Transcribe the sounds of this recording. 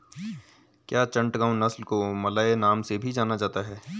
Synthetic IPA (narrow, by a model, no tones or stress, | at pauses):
kjaːt͡ʃɐ̃ɳʈɡãːnɐslkomɐlaːenaːmsebʱid͡ʒaːnad͡ʒaːt̪aɦɛː